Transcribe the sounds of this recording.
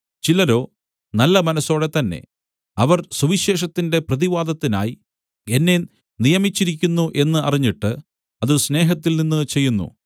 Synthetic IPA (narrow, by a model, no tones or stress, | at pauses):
t͡ɕilɐɾo̞ː | nɐlːɐmɐnɐso̞ːɽe̞t̪ɐnːe̞̰ | ɐʋɐrsuʋiɕe̞ːʂɐt̪ːinde̞prɐðiʋaːd̪ɐt̪ːina̰ːji | e̞nːe | nijɐmit͡ɕːiɾik̬ʲːunːuʔe̞nːɨɐriɲːiʈːɨ | ɐðɨsne̞ːɦɐt̪ːilninːɨt͡ɕe̞jːunːṵ